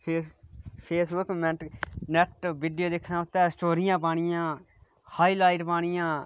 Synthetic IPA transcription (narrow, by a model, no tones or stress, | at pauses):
eːpʰeːsbʊkmɛ̃nɛʈʋiːɖijoːd̪ekʰnãːʊt̪ːɛːsʈoːɾijãːp̬aːɽ̃ɪjãː | haːiːlaːiːʈpaːɽ̃ɪjãː